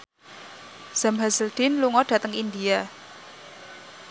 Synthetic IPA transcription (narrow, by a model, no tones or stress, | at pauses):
z̥amɦasəld̪̥ɪnluŋɔɖ̥ä̤t̪əŋind̪ia